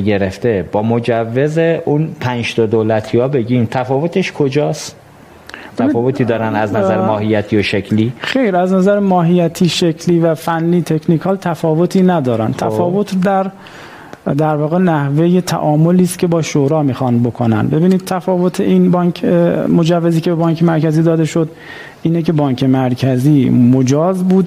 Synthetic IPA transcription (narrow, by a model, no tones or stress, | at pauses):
ɡe̞ɾeft̪e̞b̥ɒːmo̞d͡ʒævːe̞zeʔunpʰænʃd̪od̪oːlæt̪ʰiɒːbe̞ɟimt̪ʰæfɒːvot̪ʰe̞ʃkʰod͡ʒɒːs | b̪eæifɒːvot̪ʰiːd̪ɒːɾænæznæzæɾmɒːhijːæt̪ʰijoʃecʰliːxejɾæznæzæɾemɒːɦijːæt̪ʰiːʃekʰliːvæfænːiːt̪ʰe̞kʰnikʰɒːlt̪ʰæfɒːvot̪ʰiːnæd̪ɒːɾænt̪ʰæfɒːvo̞t̪ʰd̪æɾ | d̪æɾvɒːɣe̞næhve̞jet̪ʰæ̰ʔɒːmo̞liːst̪cʰʲe̞bɒːʃoɾɒːmiːxɒnbo̞kʰonæ̰nbe̞biːniːd̪̥̚t̪ʰæfɒːvo̞t̪ʰeʔiːnbɒːkʰmo̞d͡ʒævːe̞ziːcʰe̞bebɒːŋkʰemæɾkæziːd̪ɒːd̪eʃo̞d̪ | ʔiːnecʰe̞bɒːɲkʰe̞mæɾcʰæziːmod͡ʒɒːzbuːd̪